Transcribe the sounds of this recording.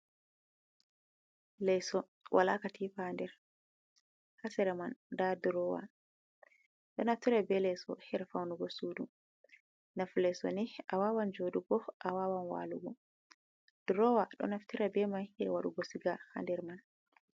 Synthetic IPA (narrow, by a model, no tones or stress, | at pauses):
lɛjsɔ | wʔalakatʰifandɛɾ | hasɛɾɛmandadɾɔwa̰ | ɗɔnaftiɾabɛlɛjsɔ̰hɛɾfawnuɡɔsuːdu | naflɛsɔ̰niʔawawand͡ʒoːduɡɔʔawawanwa̰luɡɔ | d̥ɾɔwaɗɔ̰naftiɾabɛmajɛɾwaɗuɡɔsiɡaha̰ndɛɾman